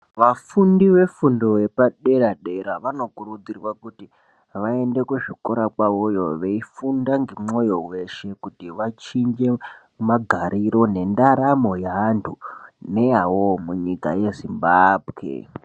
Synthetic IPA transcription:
ʋafundiʋe̞fundo̞je̞paɗe̞ɾaɗe̞ɾaʋano̞kuɾud͡zirwakuti | ʋae̞nde̞kuʐiko̞ɾakwaojo̞ʋe̞ifundaŋɡemo̞jo̞we̞ʃe̞kutiʋat͡ʃiɲd͡ʒe̞ | maɡʱaɾiɾo̞ne̞ndaɾamo̞jaːntʰune̞awomuɲika̰je̞zimbaːbʱwḛ

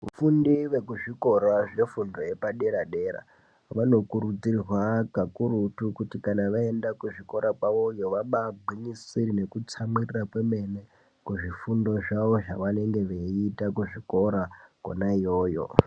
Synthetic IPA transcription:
ṵfundiʋe̞kuʐiko̞ɾaʐe̞fundo̞je̞paɗe̞ɾaɗe̞ɾa̰ | ʋano̞kuɾud͡zirirwakakuɾutukutikanaʋae̞ndakuʐiko̞ɾapwaʋo̞jo̞ʋaɓabʱiɲisiɾine̞kut͡samirirakwe̞me̞ne | kuʐifundo̞ʐaʋo̞ʐaʋane̞ŋɡe̞ʋeitakuʐiko̞ɾako̰naijoːjo̰

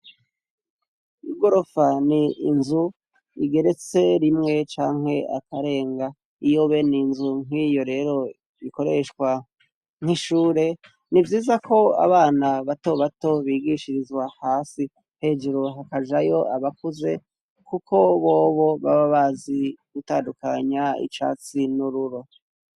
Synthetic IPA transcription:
iɡo̞ɾo̞faniːnzu | iɡe̞ɾe̞t͡se̞ɾimŋe̞t͡ʃaːŋ̥he̞a̰kaɾe̞ːŋɡa | ijo̞βe̞ninzuŋ̥ijo̞ɾe̞ɾo̞ | iko̞ɾe̞ʃkwa | ŋ̥iʃuːɾe̞ | nivjiːzakʰo̞a̰βaːnaβato̞βato̞βiːɡiʃiɾizwahaːsi | he̞ːd͡ʒeɾoɦakaʒajo̞ʔaβakuze̞ | kukʰo̞βoːβo̞βaβaβaziɡ̥utaːndukaɲaḭt͡ʃa̰ːt͡sinuɾuɾo

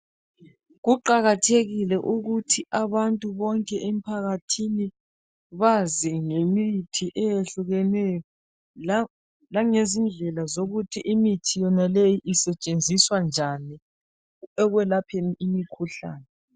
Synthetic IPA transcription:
ɣuǃaɣatʰeɣilɛʔuɣutʰiʔaβantʼuβɔŋkʼɛʔem̩pʰaɣatʰini | βaziŋemitʰiʔɛjeɬuɣɛnɛjɔ | laŋezind͡ɮʱɛlazoɣutʰiʔimitʰijɔnalejiʔisɛt͡ʃʼend͡zʱiswand͡ʒʱani | ɛɣwɛlapʰeniʔimikʰuɬa̰ːnɛ

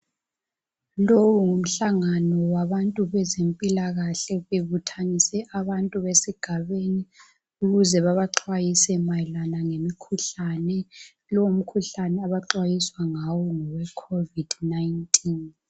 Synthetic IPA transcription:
lowuŋum̩ɬaŋanɔwaβantʼuβɛzempʼilaɣaɬɛβeβutʰanisɛʔaβantʼuβesiɡ̥ʱaβeni | uɣuzɛβaβaǁʰwajisɛmajlanaŋemikʰuɬanɛ | lɔum̩kʰuɬanɛaβaǁwajiswaŋawɔŋɔwɛkʰovid̥najntʰʼin

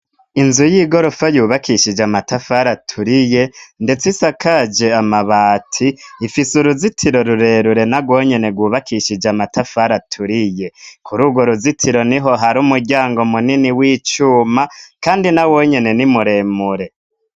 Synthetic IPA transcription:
inzujiːɡo̞ɾofajuːβakiʃid͡ʒamatafaɾatʰuɾije̞nde̞t͡sisakʰad͡ʒe̞amaβaːtʰiːfisuɾuzitʰiɾo̞ɾuɾe̞ːɾuɾe̞naɡwo̞ːɲe̞ne̞ɡwuːβakʰiʃid͡ʒamatʰafaɾatʰuɾije̞kʰuɾuːɡwo̞ɾuzitʰiɾo̞niɦo̞ɦaɾuːmuɾɟaːŋɡo̞muniniwiːt͡ʃuːmakaːndinawo̞ːɲe̞ne̞nimuɾe̞ːmuɾe̞

